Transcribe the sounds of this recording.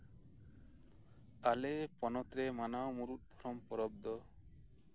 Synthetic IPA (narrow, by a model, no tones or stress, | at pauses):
alepɔnɔt̪ɾemanawmuɾut̪̚ˀb̪ʱɔɾɔmpɔɾɔb̚d̪ɔ